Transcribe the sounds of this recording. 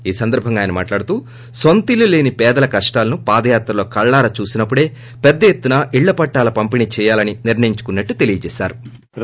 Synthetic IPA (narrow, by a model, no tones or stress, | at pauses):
iːsɐnd̪ɐɾbʱɐŋɡaːjinɐma̰ːʈlaːɽut̪uː | sɐnt̪ilule̞ːnipɛːd̪ɐlɐkɐʂʈaːlɐnupaːd̪ɐjaːt̪ɾɐlo̞ːkɐɭːaːɾɐt͡ʃuːsinɐpːuɽe̞ː | pɛd̪ːɐjet̪ːunɐʔiɭːɐpɐʈːaːlɐpɐmpinit͡ʃɛːjaːlɐniniɾɳɐjiɲt͡ʃu̥kunːɐʈːut̪e̞lijɐt͡ʃɛːsa̰ːɾu